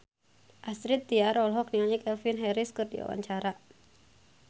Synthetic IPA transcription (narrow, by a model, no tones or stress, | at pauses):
ʔasɾit̪ːiaɾɔlɦɔk̚niaɲɛkɛlfinɦɛɾɪskɨrdḭwa̰wa̰ɲt͡ʃaɾa